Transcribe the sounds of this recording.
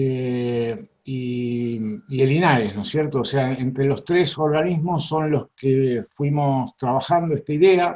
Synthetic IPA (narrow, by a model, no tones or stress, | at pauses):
e | i | ielinaesnosjeɾt̪oːseaent̪ɾelo̞st̪ɾeso̞ɾɣanizmo̞sːo̞nlo̞skefwimo̞st̪ɾaβaxand̪oest̪aiðea